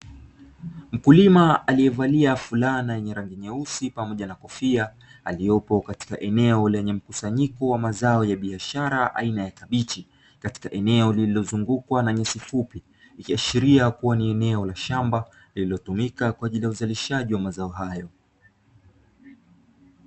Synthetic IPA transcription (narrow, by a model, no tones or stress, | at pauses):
m̩kulimaalijɛvaliafulanajɛɲɛɾaŋɡiɲɛusipamɔʄanakɔfia | alijɔpɔkati̥kaʔɛnɛɔlɛɲɛm̩kusaɲikɔwamazaɔjaɓiaʃaɾaʔa̰inajakaɓit͡ʃi | kati̥kaʔɛnɛɔlililɔzuŋɡukwanaɲɛsifupiː | kiaʃiɾiakuwaniɛnɛɔlaʃamba | lililɔtumikakwaːʄilijauzaliʃaʄiwamazaɔɦajɔ